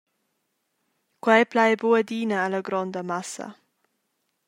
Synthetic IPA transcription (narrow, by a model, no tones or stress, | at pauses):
kwɛjplajboəd̪iːnəːlaɡɾɔnd̪əmasɐ̰